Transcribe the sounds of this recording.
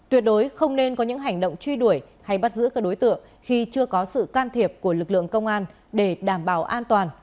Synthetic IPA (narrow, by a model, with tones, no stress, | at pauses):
t̪wi˨˩ət̚ɗo˨˦jxə˧wŋ͡mne˧nkɔ˨˦ɲɨ̰˧˥ŋɦa˨˩jŋ̟ɗo̰˧˨wŋ͡mt͡ɕwi˧ɗu˧˩əj | ha˧jɓa˦˥t̚zɨ̰˧˥kaː˦˥k̚ɗo˨˦jt̪ɨ̰˧˨əŋ | xi˧t͡ɕɨ˧əkɔ˨˦sɨ̰˧˨kaː˧nt̪ʰi˨˩əp̚ku˧˩əlɨ˨˩k̚lɨ̰˧˨əŋkə˧wŋ͡mʔaː˧n | ɗe˧˩ɗaː˧˩mɓaː˧˩wʔaː˧nt̪waː˨˩n